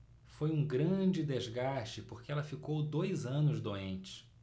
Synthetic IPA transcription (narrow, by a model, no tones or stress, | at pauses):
fojũɡɾɐ̃d͡ʒɪd̪ezɡaʃt͡ʃɪpoɾkeɛlɐfikowd̪ojzɐ̃nʊzd̪oẽnt͡ʃɪ̥